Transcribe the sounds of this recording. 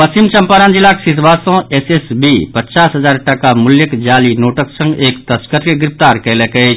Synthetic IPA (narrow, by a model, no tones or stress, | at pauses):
pəst͡ʃimt͡ʃɐmpaːɾaːnd͡ʒilːaksit̪basɔ̃esesbipətːt͡ʃaːsɦəzaːɾʈɐkamʊljəkd͡ʒaːlinoːʈəksə̃ŋɡeːkt̪əskəɾkeɡɾɪpt̪aːɾkɛlekə